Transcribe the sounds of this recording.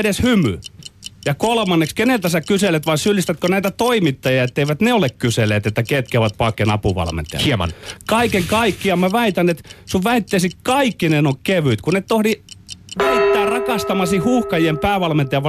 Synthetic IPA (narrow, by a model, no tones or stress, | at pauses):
eɾeshymy̰jɑkolmɑnːekskenelt̪æsækyselet̪ʋɑisylːist̪æt̪konæit̪æt̪oimit̪ːɑjɑet̪ːeiʋæt̪neolekkyselːˑeːt̪et̪ːæket̪kæoʋɑt̪̚pɑkːenɑ̰puʋɑ̰lmḛnt̪ḛɑ̰iemɑ̰nkɑikeŋkɑikːiɑmmæʋæit̪ænet̪suʋʋæit̪ːeːsikɑikːinenokkeʋyt̪kunet̪t̪ohɾiʋæit̪ːæːrɑkɑst̪ɑmɑsihhuhkɑjiempæːʋɑlment̪eɑʋʋɑ